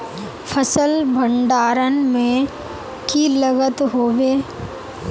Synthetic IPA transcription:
pʰəsəlbʱə̃ɳɖaːɾənmẽ | kiləɡət̪ɦoːbeː

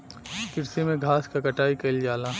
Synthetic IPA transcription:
kɪɾsemẽɡʱaːskakɐʈaːikɐɪld͡ʒaːlaː

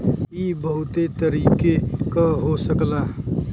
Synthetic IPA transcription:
ibəɦut̪et̪əɾikekəɦosəkla

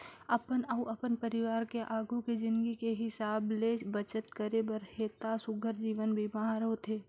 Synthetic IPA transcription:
ɐpənɐuʔɐpənpəɾɪʋaːɾkeʔaːɡuked͡ʒɪ̃nɡikeɦɪsaːblebət͡ʃət̪kəɾebəɾheːt̪asʊɡʱəɾd͡ʒiːʋənbʱibaɦãɾəɦot̪ʰeː

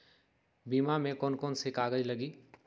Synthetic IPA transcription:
biːmamẽkɔːnkoːnsekaːɡəd͡ʒləɡiː

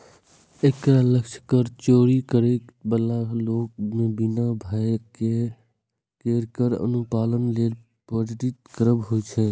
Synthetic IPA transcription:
ekt̪ɾaləkʃʰkəɾt͡ʃoːɾikəɾebəlaloːk̚mẽbɪnabʱajke | keːɾkəɾə̰nupaːlənleːl | pod͡ʒɾɪt̪kəɾəbɦoit͡ʃʰɛ

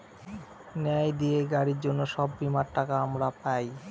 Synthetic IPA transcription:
nɛajd̪ieɡaɽiɾd͡ʑonːoʃɔbːimaɾʈakaamɾapaj

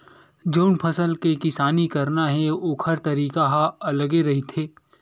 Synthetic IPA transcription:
d͡ʒɐʊnpʰɐsəlkekɪsaːnikɐɾnaɦɛoːkʰɐɾt̪ɐɾiːkaɦaɐləɡeɾɐɦit̪ʰeː

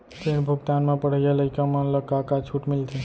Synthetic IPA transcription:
t̪eɽbʱuɡt̪anmãpəɽ̤əjaləjkamãləkakat͡ʃʰuʈmɪlt̪e

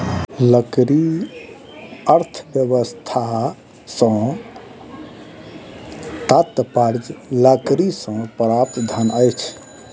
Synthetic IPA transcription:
ləkɾi | əɾt̪ʰbjəbəst̪ʰa | sə̃ | t̪at̪ːəpaɾd͡ʒləkɾisə̃pɾap̚t̪d̪ʱanəjt͡ʃʰ

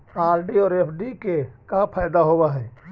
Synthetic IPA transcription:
aːɾɖiɔːɾeːpʰɖikekapʰaːjd̪aɦowaɦɛː

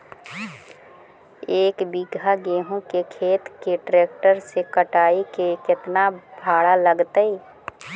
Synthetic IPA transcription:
eːkbiɡʱaɡeːɦõkekʰeːt̪keʈɾeːk̚ʈəɾsekəʈaːikekɪt̪nabʱaːɽaləɡt̪əiː

